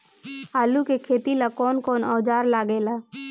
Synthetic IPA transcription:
aːlukekʰeːt̪ilakɔːnkɔːnɔːd͡ʒaːɾlaːɡeːlaː

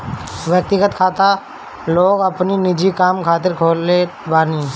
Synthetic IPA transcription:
ʋjək̚t̪ɪɡət̪kʰaːt̪a | loːɡɐpninɪd͡ʒikaːmkʰaːt̪̬ɪɾkʰoːlebaːni

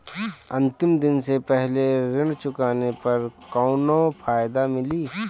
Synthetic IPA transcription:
ɐ̃nt̪ɪmd̪ɪnsepɛɦleɾɪ̃ɳɖt͡ʃʊkaːnepɐɾkɔʊnopʰaːjd̪amɪliː

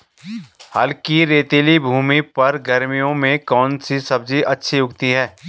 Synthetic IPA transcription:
hɐlkiɾeːt̪eːlibʱuːmipɐɾɡɐɾmijõmẽkɔːnsisɐb̚d͡ʒiʔɐtːʃʰiʊkt̪iɦɛː

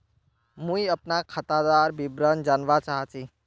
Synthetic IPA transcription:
mũiəpnakʰət̪ad̪aɾbibɾənd͡ʒanʋat͡ʃaɦat͡ʃʰi

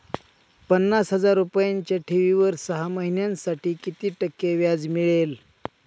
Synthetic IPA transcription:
pənːasɦəd͡zaɾupjaɲt͡ɕjaʈʰeʋiʋəɾsəɦaməɦinjãnsaʈiːkit̪iːʈəkːeʋjad͡zmiɭel

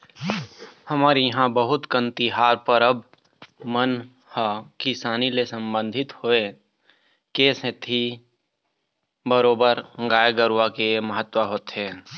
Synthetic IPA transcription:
həmaːɾijəɦãbəɦʊt̪kə̃nt̪iɦaːɾpəɾəb̚ | mən | hakɪsaːnilesə̃mbə̃nd̪ʱɪt̪hoe | keːsẽt̪ʰi | bəɾoːbəɾɡaːjəɡəɾwakeməɦət̪wəɦoːt̪ɦe

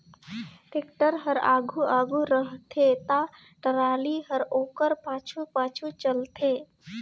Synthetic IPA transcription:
ʈɪkʈəɾɦəɾa̰ːɡʱuaːɡʱuɾəɦt̪ʰet̪a | ʈəɾaːliɦəɾoːkəɾpaːt͡ʃʰupaːt͡ʃʰut͡ʃəlt̪ʰeː

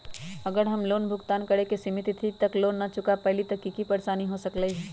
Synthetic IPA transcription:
əɡəɾɦəmloːnbʱʊɡt̪aːnkəɾekesimit̪it̪ʰit̪ɐkloːnːat͡ʃʊkapɛɦlit̪ɐkːikipəɾsaːniɦosəkləiɦɛ

